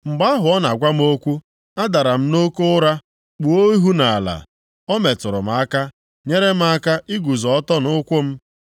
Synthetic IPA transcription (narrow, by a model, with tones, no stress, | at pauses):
m̩˨ɡ͡ba˦ɦʊ˨ɔ˦na˨ɡʷa˦m̩˦o˦kʷu˦ | a˦da˨ɾa˨m̩˦no˦ko˦ʊ˦ɾa˦ | k͡pu˨o˦i˦ɦu˦na˨a˨la̰˨ | ɔ˦me˨tʊ˨ɾʊ̰˨m̩˨a˦ka˦ | ɲe˦ɾe˦m̩˦a˦ka˦ʔi˦ɡu˨zɔ˨˦tɔ˦nʊ˦kʷʊ˦m̩˦